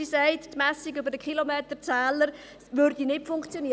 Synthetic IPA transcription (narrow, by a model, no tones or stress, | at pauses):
isæɪttmɛsikybəɾdəkʰilomeːtəɾt͡sɛːləɾ | ʋøɾd̥inɪtfʊŋkt͡sjoniː